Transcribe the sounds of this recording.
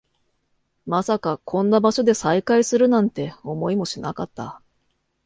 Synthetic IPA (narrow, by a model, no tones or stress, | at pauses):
masakakʰõ̞nːabaɕo̞d̪e̞saikaisɨɾɯ̟nãnt̪e̞o̞mo̞imo̞ɕinakat̪ːa̰